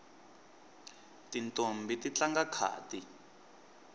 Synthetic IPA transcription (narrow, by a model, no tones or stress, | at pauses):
tintombitit͡ɬaŋɡakʰa̰ːti